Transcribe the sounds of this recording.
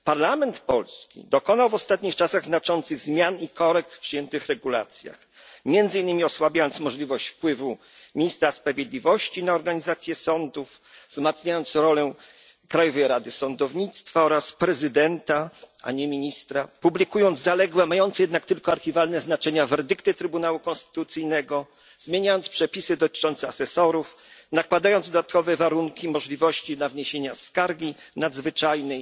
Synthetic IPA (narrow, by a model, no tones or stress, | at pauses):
paɾlamɛnt̪pɔlskʲḭd̪ɔkɔnawvɔst̪at̪ɲixt͡ʂasaɣznat͡ʂɔnt̪sɘɣzmʲjanikɔɾɛk̚t̪fpʂɨjɛnt̪ɘxɾɛɡula̰t̪sʲja̰x | mʲjɛnd̪zɘinːɘmʲiɔswabʲjajɔnt̪smɔʐlʲivɔɕt͡ɕfpwɘvu | mʲiɲist̪ɾaspɾavʲjed̪lʲivɔɕt͡ɕinaɔɾɡaɲizat̪sʲjɛsɔnd̪uf | zmat̪sɲajɔnt̪sɾɔlɛ | kɾajɔvɛjɾad̪ɘsɔnd̪ɔvɲit̪st̪faɔɾaspɾɛzɘd̪ɛnt̪aa̰ɲɛmʲiɲist̪ɾapublʲikujɔnd̪zzalɛɡwɛmajɔnt̪sɛjɛd̪nak̚t̪ɘlkɔaɾxʲivalnɛznat͡ʂɛɲavɛɾd̪ɘkt̪ɘt̪ɾɘbunawukɔ̃nst̪ɘ̥t̪ut̪sɘjnɛɡɔ | zmʲjeɲajɔnt̪spʂɛpʲisɘd̪ɔt̪ɘ̥t͡ʂɔnt̪sɛasɛsɔɾuf | nakwad̪ajɔnd̪zd̪ɔd̪at̪kɔvɛvaɾuŋkʲimɔʐlʲivɔɕt͡ɕinavɲeɕeɲaskaɾɡʲinad̪zvɘt͡ʂajnɛj